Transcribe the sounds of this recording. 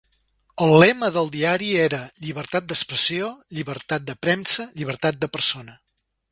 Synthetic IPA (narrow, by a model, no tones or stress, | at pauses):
əlˠlɛməðəlˠd̪iaɾieɾəʎiβəɾt̪at̪̚d̪əkspɾəsioʎiβəɾt̪at̪̚d̪əpɾɛmsəʎiβ̞əɾt̪at̪̚d̪əpəɾsonə